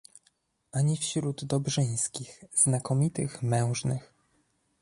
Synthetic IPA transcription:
ʔaɲifɕɾud̪d̪ɔbʐɘj̃skʲixz̥nakɔmʲit̪ɘxmɛ̃w̃ʐnɘ̰x

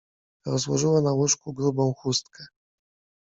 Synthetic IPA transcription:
ɾɔzwɔʐɘwanawuʂkuɡɾubɔ̃w̃xust̪kɛ

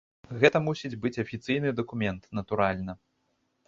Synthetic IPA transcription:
ɣɛt̪ɐmusʲid͡zʲbɨt͡sʲɐfʲit̪sɨjnɨd̪ɐkumʲɛnt̪nɐt̪uɾalʲnɐ

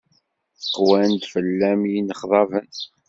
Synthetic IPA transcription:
qwænd̪fəlːæmjinəχðˤɑvən

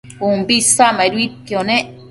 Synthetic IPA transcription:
umbisamaiɾwip̚joneʔ

